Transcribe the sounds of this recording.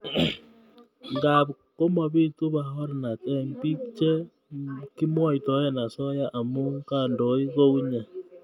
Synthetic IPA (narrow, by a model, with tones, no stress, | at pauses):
ŋɡa˨β | ko˦ma˨βi˦tu˦βa˨ho˦ɾe˨na˨te˦mpi˦kt͡ʃe˦ | ki˦mwa˦i˨to˨˦e˦na˨so˦ja˦ʔa˨mu˦ŋka˦˨ndo˨˦i˦ɣo˦u˦ɲa˨